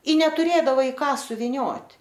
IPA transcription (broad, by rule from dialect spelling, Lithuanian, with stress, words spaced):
ɪ nʲɛtʊˈrʲeːdɐʋɐ ɪ ˈkɑː sʊʋʲɪˈnʲoːtʲ